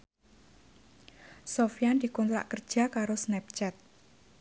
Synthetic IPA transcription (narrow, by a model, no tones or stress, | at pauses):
sofijand̪i̤kɔnt̪ɾa̰ʔkərd̥d͡ʒ̥a̤kaɾosnɛp̚t͡ʃɛt̪̚